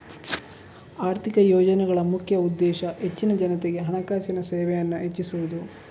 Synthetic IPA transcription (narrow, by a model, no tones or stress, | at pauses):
aːɾt̪ʰikɐjɔːd͡ʒɐnɛɡɐɭɐmukʰjɐud̪ːɛːʃɐɦe̞t͡ʃːinɐd͡ʒɐnɐt̪eɡe̞ɦɐɳɐkaːʃɐnɐseːʋɛjɐnːɐɦet͡ʃːisuʋud̪u